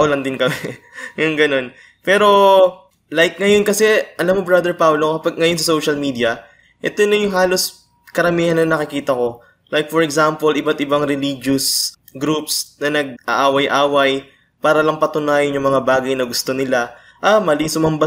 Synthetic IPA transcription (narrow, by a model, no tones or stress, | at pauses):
ʊlɐnd̪ɪnkɐmɛ | jʊŋɡɐno̞n | pɛːɾo̞ | lajkŋɐjo̞nkɐsɛʔɐlamːobɹad̪ɛɹpawlokɐpaɡ̚ŋɐjo̞ns̬ɐso̞wʃɐlmiːd̪iɐ | ʔɛ̰t̪onɐjʊŋɦaːlo̞s | kɐɾɐmiːhɐnɐnɐkɪkiːt̪ɐko̞ | lajk̚fɔɹɛɡsampolɪbat̪ɪbaŋɾɛliːd͡ʒʊs | ɡɾupsnɐnɐɡ̚ʔɐ̰ʔaːwɐjʔaːwɐj | paːɾɐlɐŋpɐt̪ʊnaːjɐnjʊŋmɐŋabaːɡɐjnɐɡʊst̪o̞nɪla | ʔɐmɐliŋsʊmɐmba